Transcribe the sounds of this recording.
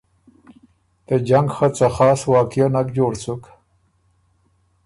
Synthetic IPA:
t̪əd͡ʒaŋɡxat͡saxɑːswɑːkjonakd͡ʒoːɽt͡suk

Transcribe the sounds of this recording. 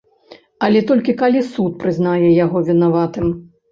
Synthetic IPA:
ɐlʲɛt̪ɔlʲkʲikalʲisut̪̚pɾɨznajɛjaɣɔvʲinavat̪ɨm

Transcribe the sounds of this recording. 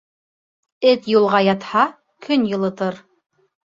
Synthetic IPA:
ɘt̪julˠʁɑjɑt̪hɑ | kʰɵnjɤ̆lˠɤ̆t̪ɤɾ

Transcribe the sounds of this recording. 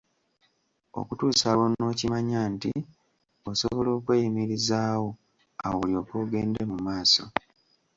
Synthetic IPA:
o̰kutuːsawono̞ːcimaɲaːnti | o̞soβo̞lo̞ːkwe̞ːjimiɾizaːwo̞ | a̰woulio̞ko̞ːɡe̞ːnde̞mumaːso̞

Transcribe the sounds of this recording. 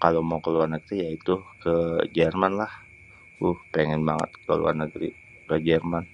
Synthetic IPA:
kalomakəluarnəɡɾijait̪ukəd͡ʒɛrmanlah | uhpeŋɛnbaŋə̰t̪̚kəlṵa̰rnəɡɾḭ | kəd͡ʒɛrman

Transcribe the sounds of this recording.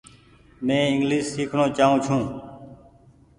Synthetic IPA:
mẽːɪŋɡliːssiːkʰɳõːt͡ʃaːɦũːt͡ʃʰũː

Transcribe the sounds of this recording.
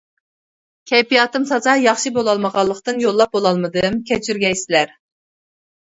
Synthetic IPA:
kʲʰɛjpijɑːt̪ɨmsɑzɑjɑχʃibolˠɑlˠməʁɑlˠːəqt̪ɨnjolˠːɑp̚bolˠɑlˠmɨd̪ɨmkʲʰɛt͡ʃʰyɾɡʲɛjsɪlæɾ

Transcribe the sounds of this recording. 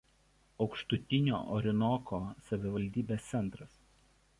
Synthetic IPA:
ɒʊkʃt̪ʊt̪ʲɪnʲo̰ːʔɔɾʲɪnɔkʰoːsɐʋʲɪʋɐlʲd̪ʲiːbʲeːst̪sʲɛnˑt̪ɾɐs

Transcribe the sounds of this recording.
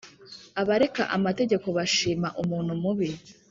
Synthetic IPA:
aβaɾe̞ka̰ʔamate̞ɟe̞ko̞βaʃiːmaʔumuːn̥humuβi

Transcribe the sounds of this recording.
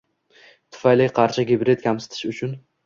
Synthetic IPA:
t̪ʰʊ̥fajlɪqʰɑɾt͡ʃʰaɡʲɪbɾe̞t̪kʲʰamsɪ̥t̪ʰɪ̥ʃʊt͡ʃʰʊn

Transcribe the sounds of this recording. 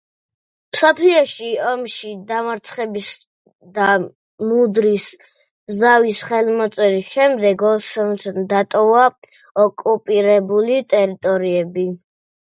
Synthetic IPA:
msɔpʰliɔʃiɔmʃid̪amaɾt̪sʰχɛbis | d̪a | mud̪ɾis | zavisχɛlmɔt̪sʼɛɾisʃɛmd̪ɛɡɔsɔmt̪ʰnd̪at̪ʼɔva | ɔkʼupʼiɾɛbulit̪ʼɛɾit̪ʼɔɾiɛbi

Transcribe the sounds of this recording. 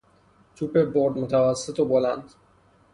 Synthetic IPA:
t͡ʃ̪ʰupeboɾd̪mot̪ʰavasːɪt̪oboland̪

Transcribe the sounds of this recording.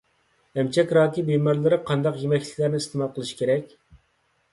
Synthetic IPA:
ɛmt͡ʃʰɛkʲɾɑːkʲibemɑɾlˠɨɾɨqʰɑnd̪ɑqjemɛkʲlɪ̥kʲlæɾnɪist̪ʰɨmɑlˠqʰəlˠɨʃi̥kʲʰeɾɛkʲ

